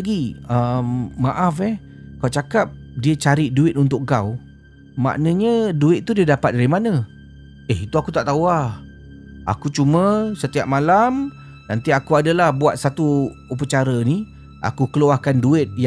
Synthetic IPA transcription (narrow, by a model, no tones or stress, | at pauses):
ɡiəmːaʔafɛh | kawt͡ʃakap̚diət͡ʃaɾiʔduɪt̪̚unt̪̬ʊkŋkaw | ma̰ʔnə̃ɲəduɪt̪̚t̪ːudiədapat̪̚daɾimanə̃ | ɛɦit̪uakut̪aʔt̪awa | a̰kut͡ʃumə̃sət̪iap̚malam | nant̪iakuadalahbuat̪̚sat̪u | up̬ət͡ʃaɾəni | ʔa̰kukəluahkanduɪt̪̚j